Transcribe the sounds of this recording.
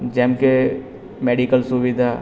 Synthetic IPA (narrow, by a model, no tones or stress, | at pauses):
d͡ʒɛ̃ːmke | meːɖikəlsʊʋid̪ʱa